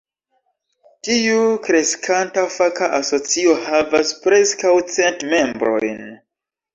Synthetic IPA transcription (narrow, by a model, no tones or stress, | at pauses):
tiukɾe̞skʰantafakaʔaso̞t͡sio̞havaspɾe̞skawt͡se̞ntme̞mbɾo̞jn